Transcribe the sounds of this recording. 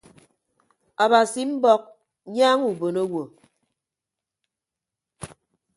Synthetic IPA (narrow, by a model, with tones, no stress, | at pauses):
a˨ba˨si˨m̩˦bɔ˦k̚ | ɲaː˦ŋu˨bo˨no˦wo˨